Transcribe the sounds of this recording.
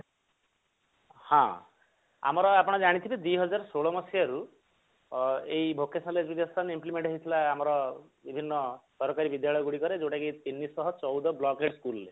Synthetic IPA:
hã̰ | a̰mɔɾɔapɔɽ̃ɔd͡ʒaɽ̃it̪ʰibid̪wiɦɔd͡ʒaɾɔsoɭɔmɔsiaɾu | eibʱokːesɔnled͡ʒbid̪jɔst̪ʰanimplimeɳʈɦɔɦit̪ʰilaːmɔɾɔ | bibʱinːɔsɔɾɔkaɾibid̪jaɭɔjɔɡuɽikɔɾed͡ʒewʈakit̪inːisɔɦɔt͡ʃɔwd̪ɔblɔkeʈskulle

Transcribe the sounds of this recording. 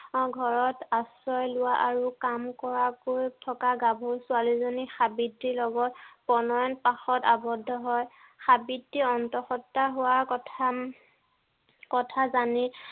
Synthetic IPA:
ɡʱɔɹɔtasɔjlʊwaʔaɹukamkɔɹakojtʰɔkaɡabʱuɹsʊalizonixabidːilɔɡɔtpɔnɔjɔnpaxɔtabɔdʱːɔɦɔj | xabidːiɔntɔxɔtːaɦʊwaɹkɔtʰ | kɔtʰazani

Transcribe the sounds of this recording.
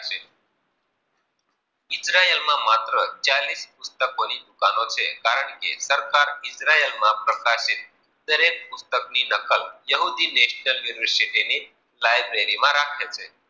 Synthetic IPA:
t͡ʃʰe | ɪsɾaelmãmat̪ɾət͡ʃalispʊst̪əkonid̪ukanot͡ʃʰekaɾəɳkḛsəɾkaɾɪt͡ʃɾaelmãpɾəkaʃɪt̪̚ | d̪əɾek̚pʊst̪əkninəkəljəɦud̪ineʃnəlʋiɾʋəɾsiʈini | lajbɾeɾimãɾakʰet͡ʃʰe

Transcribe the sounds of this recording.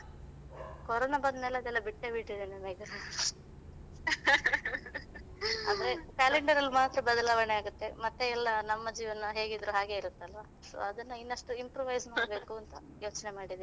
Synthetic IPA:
kɔɾoːnabɐnd̪nɛlːɐd̪ɛlːɐbiʈːebiʈːid̪eːnemɐɡɾan | a̰d̪ɐɾekaːleɳɖɐɾɐlːmaːt̪ɾɐbɐd̪ɐlaːʋɐɳeaːɡut̪ːe̞mɐt̪ːe̞ɛlːɐnɐmːɐd͡ʒiːʋɐnɐɦe̞ːɡid̪ɾuɦaːɡe̞iɾut̪ːeɐlʋaː | so̰ːɐd̪ɐnːɐinːɐʂʈuimpɾoːʋɐjzmaːɽɐbe̞ːkuɐnt̪ɐ | jo̞ːt͡ʃnemaːɽid̪e

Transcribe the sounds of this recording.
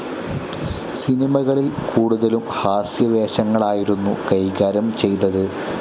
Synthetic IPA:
sinimɐɣɐɭilkuːɽuðɐlumhaːsjɐʋeːɕɐŋːɐɭaːjiɾunːṵkɐjɡaːɾɐmt͡ɕe̞jt̪ɐðɨ

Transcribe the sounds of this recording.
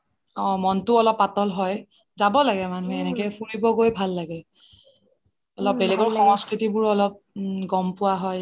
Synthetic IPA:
ɔ̃mɔntʊɔlɔpːatɔlɦɔj | zabɔlaɡɛmanuɦɛɛnɛkɛpʰuɹibɔɡojbʱalːaɡɛ | ɔlɔp̚bɛlɛɡɔɹxɔŋɔskɹitibʊɹɔlɔp̚ɡɔmpʊwaɦɔj

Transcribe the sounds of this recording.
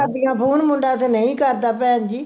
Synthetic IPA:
əbikãːpʰuːnmʊ̃ɳɖaːt̪eːnəĩːkəɾd̪aːpɛːənd͡ʒiː

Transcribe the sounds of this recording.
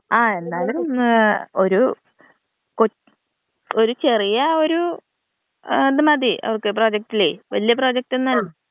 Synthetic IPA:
aːe̞nːaːlumno̞ɾu | ko | o̞ɾut͡ɕe̞rijɐo̞ɾu | d̪ɨmɐd̪iʔɐ̰ʋɐrkːɨproːd͡ʑɐk̚ʈːileiʋɐ̰lijɐp̬ro̞ːd͡ʑɐk̚tenːɐlu

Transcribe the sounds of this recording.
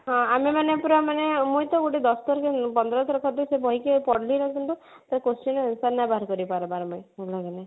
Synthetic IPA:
ɦɔ̃amimanepuɾamanemujt̪ɔɡoʈed̪ɔst̪ɔɾkepɔnd̪ɾɔt̪ʰɾɔkʰɔt̪usebʱɔɦikepɔɽliɾɔt̪ɔnt̪u | t̪aɾekosʈinɔnusaɾnabaɦaɾkɔɾibpaɾɔbaɾmɔjulɔɡane

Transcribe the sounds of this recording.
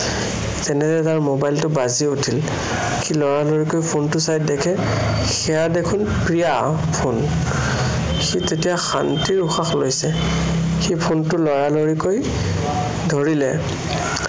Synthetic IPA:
zɛnɛzɛtaɹmobajltʊbaziutʰil | xilɔɹaloɹikojpʰontʊsajt̚dɛkʰɛ | xɛjadekʰʊn | pɹija | pʰon | xitetijaxa̰ntiɹuxaxlojsɛ | xipʰontʊlɔɹaloɹikoj | dʱoɹilɛ

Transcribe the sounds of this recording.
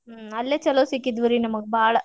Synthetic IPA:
ɐlːɐt͡ɕːɐloːsikʲːid̪ʋɐɾinɐmːukːɨbaːɭɐ

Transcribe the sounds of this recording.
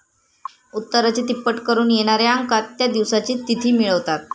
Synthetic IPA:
ut̪ːəɾat͡ɕiːt̪ipːəʈkəɾuːnjeɽ̃aɾeaŋkat̪ːjad̪iʋsat͡ɕiːt̪it̪ʰiːmiɭəʋt̪at̪

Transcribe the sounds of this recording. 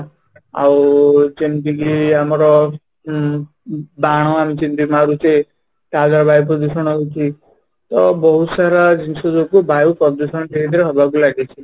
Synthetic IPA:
a̰wt͡ʃend̪iɡiamɔɾɔ | baɽ̃ɔamit͡ʃinb̪imaɾut͡ʃe | ʈad͡ʒaɾɔbajp̬ɾɔd̪usɔɽ̃ɔɦot͡ʃʰi | t̪ɔbɔɦut̪saɾad͡ʒinsɔd͡ʒokubajupɔd̪usɔɳ̃ʈʰekid̪ʰʱiɾeɦɔbʱak̬ulaɡet͡ʃʰi

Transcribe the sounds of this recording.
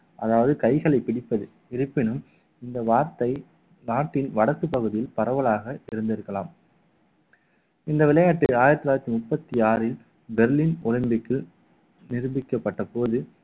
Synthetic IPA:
ʔɐðaːʋɐðɯkɐɪɣɐɭɐɪpːɪɽɪpːɐðɯ | ɪɾɯpːɪnɯm | ɪnd̪ɐʋaːɾt̪ɐɪ | naːʈːɪnʋɐɽɐkːɯpɐɣɯðɪjɪlpɐɾɐʋɐɭaːɣɐʔɪɾɯnd̪ɪɾɯkːɐlaːm | ɪnd̪ɐʋɪlɐjaːʈːɪlaːjɪɾɐt̪ːɪlaːɪɾɐt̪ːimʊpːɐt̪ːiaːɾɪl | bɛɾliːnʊlɐmbɪkːɯl | nɪɾɯmɪkːɐpːɐʈːɐpoːðɯ

